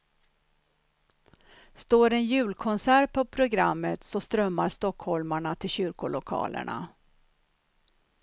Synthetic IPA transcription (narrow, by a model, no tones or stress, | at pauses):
st̪oːɾɛnjʉ̟ːlkʰɔnsæːɾpʰɔpʰɾʊɡɾamːət̪sɔst̪ɾœmːaɾʂt̪ɔkhɔlmaɳat̪ʰɪlɕʏɾkʊlʊkʰɑ̰ːlʔə̰ɳa̰